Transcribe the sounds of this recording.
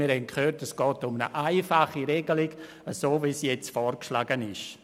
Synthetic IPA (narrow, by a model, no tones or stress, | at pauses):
miːɾhɛnkʰχøːɾtɛsɡ̥ɔːtʊmnə̰ʔaɪfaχiɾɛɡəliɡ̥ | əsoːviːsjɛt͡stfɔːɾkʃlaɡənɪʃ